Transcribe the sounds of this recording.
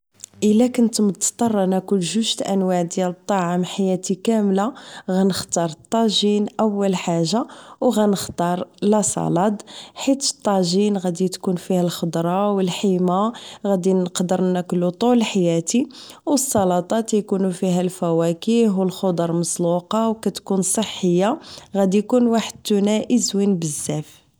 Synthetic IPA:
ʔəlːækʊnt̪mət̪t̪ˤːɑrˤːɑnækʊlʒʊʒt̪ʔæ̰nwaʕd̪jælət̪ˤːɑʕəmħajæt̪ikæmlaɣænəxt̪ɑɾˤət̪ˤːɑʒinʔæwːəlħaʒːawɣænəxt̪ˤɑɾˤlæsˤɑ̰lɑd̪ħit̪t̪ˤːɑʒinɣæd̪it̪kunfihælxəd̪ɾˤɑwəlħimaɣæd̪inəqd̪əɾˤnæklut̪ˤʊləħajæt̪i | wəsˤːɑlɑt̪ˤɑt̪jkunufiɦælfæwækiɦwəlxod̪ɑɾˤməsluqɑwkæt̪kunsˤəħːəjːaɣæd̪ijkunwaħəd̪̚t̪unæʔəzwinbəzːæf

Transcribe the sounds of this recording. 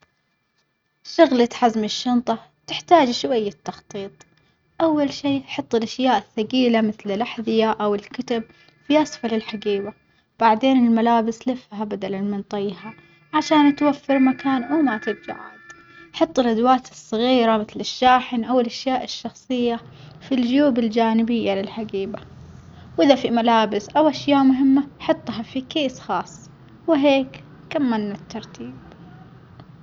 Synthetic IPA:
ʃʊɣlat̪ħazmɪʃːɑnt̪ˤɑt̪ɪħt̪aːd͡ʒʃwajːat̪ːɑxt̪ˤiːt̪ˤ | ʔawːalʃiːħɑt̪ˤːɪlʔaʃjaːʔɪθːaɡiːlamɪθlɪlʔaħðɪjaʔawɪlkʊt̪ab̚ | fiʔasfalɪlħaɡiːba | b̥aʕd̪eːnɪlmalaːbɪslɪfhabad̪alanmɪnt̪ˤɑjɦa | ʕaʃaːnt̪wafːɪɾmakaːnwɪmat̪ɪb̚t̪a̰ʕa̰d̪ | ʔħɑt̪ˤːɪlʔad̪waːt̪ɨsˤːɑɣiːɾamɪθlɪʃːaːħɪnʔawɪlʔaʃjaːʔɪʃːɑxsˤɨjːa | fild͡ʒjuːbɪld͡ʒaːnɪbɪjːalɪlħaɡiːba | wʔɪðafimalaːbɪsʔawʔaʃjaːʔmʊɦɪmːaħɑt̪ˤːɦɑfikeːsxɑːsˤː | wɪɦeːk | kamːanːat̪ːɑɾˤt̪ʰiːb̚

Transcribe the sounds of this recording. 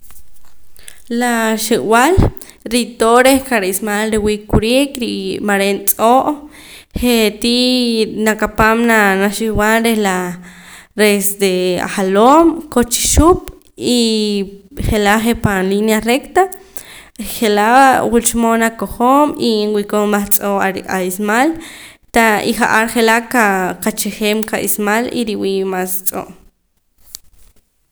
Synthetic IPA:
laʃiʔwal | ɾit̪oɾehkaɾismalɾiwikuɾikɾimaɾent͡sʼoʔ | χet̪inakapamnanaʃiwalɾehla | ɾesd̪ea̰χalomkot͡ʃi̥ʃup̚ | i | χelaʔχepanlinjarekt̪a | χelaʔwult͡ʃmonakoχomiwikombaχt͡sʼoʔaɾiaismal | t̪aiχaʔaɾχelaʔkakat͡ʃeχeːmkaʔḭsmaliɾiwiːʔmast͡sʼo̰ʔ

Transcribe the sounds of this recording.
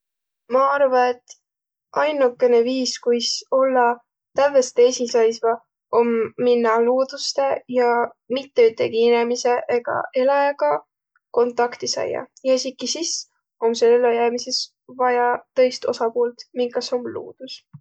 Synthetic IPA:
mɑɑrvɑet̪ːˑ | ʔɑjnukːˑe̞ne̞viːskujso̞lːɑ | t̪ævest̪esisɑjsvɑ | o̞mːinːɑluːd̪̥ust̪e̞jɑmit̪ːe̞yt̪ːˑe̞kiinemise̞ʔeɡ̥ɑ̰ʔe̞lɑjɑɡɑ | ko̞nt̪ˑːɑkt̪isɑ̰jːɑ̰jɑsikːisis | o̞mselelojæːmise̞s | vɑjɑt̪ɤ̞jst̪o̞̰sɑpuːlt̪miŋkːɑsomlṵːd̪̥us

